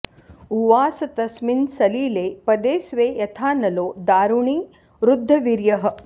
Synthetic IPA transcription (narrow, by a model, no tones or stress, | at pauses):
uʋaːsɐt̪ɐsminsɐliːleːpɐd̪eːsʋeːjɐt̪ʰaːnɐloːd̪aːɾuɳiː | ɾud̪ʱːɐʋiɾjɐɦɐ̆